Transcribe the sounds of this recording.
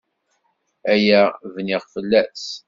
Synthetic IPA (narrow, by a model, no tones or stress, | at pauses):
æjævnɪʁfəlːæs